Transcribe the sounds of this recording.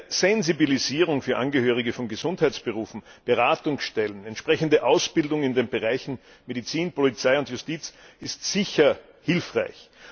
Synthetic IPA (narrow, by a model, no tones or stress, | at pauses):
z̥ɛnzibiliziːʁʊŋfyːɐʔãnɡəhøːʁ̞ɪɡəfɔnɡəzʊnthæɪt͡sb̥əʁuːfn̩b̥əʁaːtʊŋsʃtɛlənɛntʃpʁ̥ɛçəndəʔaʊsb̥ɪldʊŋɪndeːnbəʁaɪçn̩ | medit͡siːnpolit͡saɪʊntjʊstiːt͡sɪstz̥ɪçɐ | hɪlfʁaɪç